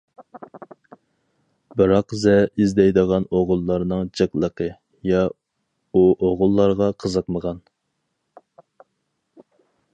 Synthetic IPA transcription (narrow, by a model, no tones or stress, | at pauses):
bɨɾɑqzɛizd̪ɛjd̪əʁɑnoʁʊlˠːɑɾnɨŋd͡ʒɨklˠəqʰə | jɑ | uʔoʁʊlˠːɑɾʁɑqʰəzəqməʁɑn